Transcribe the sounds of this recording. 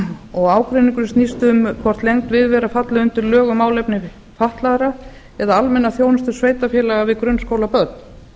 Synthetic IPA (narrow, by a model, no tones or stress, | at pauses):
ɔɣaːwkɾeniŋkʏɾ̥st̪nist̪ʏʏmkʰvɔr̥t̪lejŋt̪vɪðvɛːɾafat̪laʏnt̪ɪɾlœːɣʏmaːwlejpnɪ | faht̪laðɾa | ɛðaalmɛnːaθjownʏst̪ʏ̥sveːjt̪afjɛːlaɣavɪðkɾʏnːskowlapœɾt̪̚n̥